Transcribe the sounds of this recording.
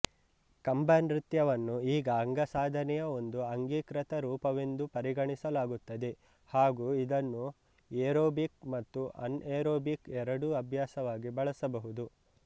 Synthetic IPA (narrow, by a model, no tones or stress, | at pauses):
kɐmbaːnɾit̪jɐʋɐnːuiːɡɐːŋɡɐsaːd̪ʱɐnɛjɐo̞nd̪uɐŋɡiːkɾɐt̪ɐɾuːpɐʋe̞nd̪upɐɾiɡɐɳisɐlaːɡut̪ːɐd̪e | haːɡuːid̪ɐnːu | eːɾoːbik̚mɐt̪ːuʔɐ̰neːɾoːbikɛɾɐɽuɐbʱjaːsɐʋaːɡibɐɭɐsɐbɐɦud̪u